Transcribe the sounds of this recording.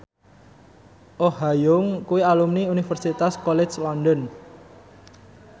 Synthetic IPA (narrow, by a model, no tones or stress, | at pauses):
ʔohajʊŋkuwialumniunifərsit̪askɔlɛt͡ʃlɔndɔn